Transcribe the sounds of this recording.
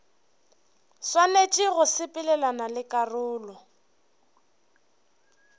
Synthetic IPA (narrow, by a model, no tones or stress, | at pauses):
swanet͡ʃʼɪɣʊsɪpʼɪlɛlanalɪkʼarʊːlɔ